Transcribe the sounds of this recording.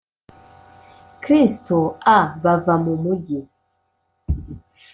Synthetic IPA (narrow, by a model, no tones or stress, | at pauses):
kɾistoaβavamumuɟi